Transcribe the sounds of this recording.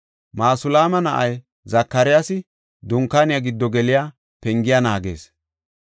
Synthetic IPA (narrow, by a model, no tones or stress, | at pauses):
maːsʊlaːmɐnɐʔɐj | zɐkːɐɾɪjaːsɪ | d̪ʊŋkːaːnɪjaɡɪd̪ːɔɡɛlɪjaː | pɛŋɡɪjanaːɡe̞̰ːs